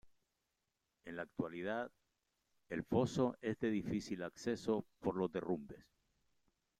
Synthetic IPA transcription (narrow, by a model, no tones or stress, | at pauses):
e̞nlaːk̚t̪walið̞að | e̞lfo̞so̞ʔe̞zðe̞ðifisilakse̞so̞po̞ɾlo̞zd̪e̞rumbe̞s